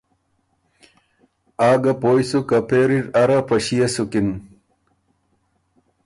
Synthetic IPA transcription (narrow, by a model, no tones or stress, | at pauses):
aːɡɐpoːjsukɐpʰeɾiɾɐɾɐpɐɕijɐsukin